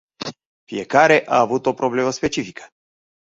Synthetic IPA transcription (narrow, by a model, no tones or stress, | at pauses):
fie̞kaɾe̞ʔaːvut̪o̞pɾo̞ble̞məspe̞t͡ʃifikʰə̥